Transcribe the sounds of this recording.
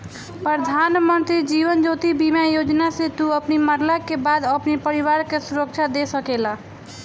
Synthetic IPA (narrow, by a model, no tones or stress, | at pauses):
pɾəd̪ʱanmənt̪ɾid͡ʒiʋənd͡ʒot̪ibimjajod͡ʒnasẽt̪uəpniməɾlakebad̪əpnipəɾiʋaɾkesuɾək̚t͡ʃʰad̪esəkela